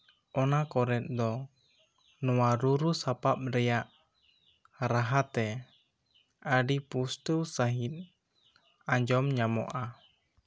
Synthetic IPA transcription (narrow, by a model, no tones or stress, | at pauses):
ʔɔnakɔɾɛt̪̚d̪ɔ | nuwaɾuɾusapap̚ɾɛjaʔ | ɾaɦat̪ɛ | adipust̪usaɦit̪̚ | aɲd͡ʒɔmɲamɔ̰ʔa